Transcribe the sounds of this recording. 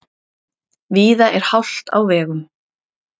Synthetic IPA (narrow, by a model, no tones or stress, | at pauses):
viːðaʔɛɾ̥hawl̥t̪a̰wvɛːɣʏm